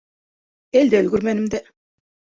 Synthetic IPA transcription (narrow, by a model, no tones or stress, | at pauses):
eld̪ɛøzɡyɾmænimd̪ɛ